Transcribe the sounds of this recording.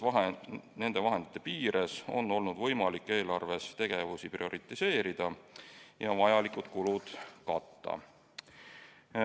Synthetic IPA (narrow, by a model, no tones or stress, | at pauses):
ne̞nd̪̥e̞vɑɦed̪i̥t̪ːˑe̞piːɾe̞so̞̰nːo̞lnud̪vɤ̞jmɑlikːˑe̞ːlɑrve̞st̪e̞ɡ̥e̞vusiprio̞ɾʔit̪ːˑise̞ːɾid̪̥ɑjɑvɑjɑlikˑud̪̥kulud̪̥kɑt̪ːɑ̰